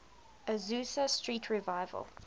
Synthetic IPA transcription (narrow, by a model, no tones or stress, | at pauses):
əzʉːsəstɹiːˑtʰɹivaɪvə̰lˠ